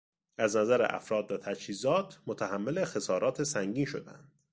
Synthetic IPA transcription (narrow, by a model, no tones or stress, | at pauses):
æznæzæɾḛʔæ̰fɾɒːd̪væt̪ʰæd͡ʒhiːzɒːt̪ʰmot̪ʰæɦæmːe̞le̞xe̞sɒːɾɒːt̪ʰesæŋɟiːnʃo̞̰d̪æ̰ænd̪̥